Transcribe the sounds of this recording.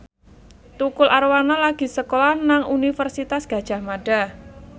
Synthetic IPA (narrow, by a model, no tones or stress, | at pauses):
t̪ukʊlʔaɾwanalaɡ̥i̤səkolahnaŋʔunifərsit̪asɡ̥a̤d̥ʒ̥a̤hmaɖ̥a̤